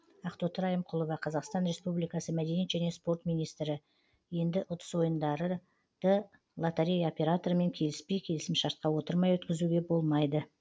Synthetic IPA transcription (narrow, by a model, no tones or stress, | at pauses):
ɑqt̪ot̪əɾɑjəmqʰʊlˠəvɑqʰɑzɑqst̪ɑnɾe̞spublijkɑsəmæd̪e̞nijet̪ʒæne̞spo̞rt̪mʲijnijst̪ɾɪ | je̞nd̪ɪʔʊt̪ə̥swo̞jənd̪ɑɾə | d̪̥ə | lˠat̪eɾʲejo̞pʲe̞ɾat̪oɾme̞ŋkʲʰe̞lɪspe̞jkʲʰe̞lɪsɪmʃɑɾt̪̚qɑwo̞t̪əɾmɑjwɵt̪kʲɪzuɡʲe̞bo̞lˠmɑjd̪ə